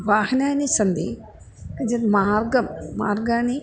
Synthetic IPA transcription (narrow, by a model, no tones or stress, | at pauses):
ʋaːhnaːnisɐnd̪ḭ | kɐd͡ʒɐnmaːɾɡɐmːa̰ːɾɡaːni